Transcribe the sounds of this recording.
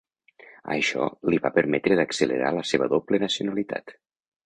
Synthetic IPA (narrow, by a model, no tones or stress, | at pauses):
ə̰ʃɔ̰liβapəɾmɛt̪ɾəðəksələ̰ɾa̰ləseβəðoplənəsiunəlit̪a̰t̪